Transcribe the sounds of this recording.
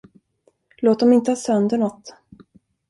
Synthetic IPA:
loːt̪̚d̪ɔmɪnt̪əhɑːsœnd̪əɳɔt̪ː

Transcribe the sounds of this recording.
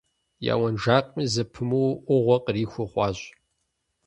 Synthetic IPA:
ja̰ːwɐnʒaːqʼmizɐpʰɨmuwʔʷʊʁʷɔqʼriːxʷʊχʷɑːɕʼ

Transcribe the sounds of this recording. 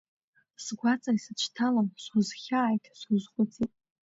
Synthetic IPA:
sɡʷat͡sʼaisɨt͡ʃʰtʰalamsʷuzχʲaːjtʰsʷuzχʷʼʊt͡sʼitʼ

